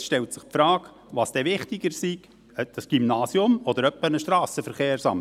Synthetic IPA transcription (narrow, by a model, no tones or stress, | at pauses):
ʃtɛltsɪχpfɾɑːk | ʋɑːsd̥ɛʋɪχt̪ɪɡ̥əɾsiɡ̥ | əd̥ɑsɡ̥imnɑːsiʊmɔd̥̪əɾœpːənəʃt̪ɾɑːsəfəɾχeːɾsɑ̰m